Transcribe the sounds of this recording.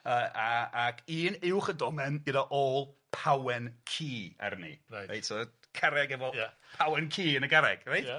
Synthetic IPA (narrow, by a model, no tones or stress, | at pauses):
əːʔaakʰiːnɪwχədɔmɛnɡədaʔolˠpʰawɛnkʰiːa̰ɾnḭrajra̰jtsɔ | kʰaɾɛɡɛvɔpʰawɛnkʰiːənəɡaɾɛɡ̥rajt